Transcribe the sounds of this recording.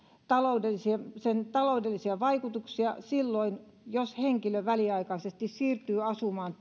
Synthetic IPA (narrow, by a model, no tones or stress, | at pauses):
t̪ɑloudelːisiesent̪ɑloudelːisiɑʋɑikut̪uksiɑsilːoin | josheŋkiløʋæliɑikɑisest̪issiːrt̪yːɑsumɑːn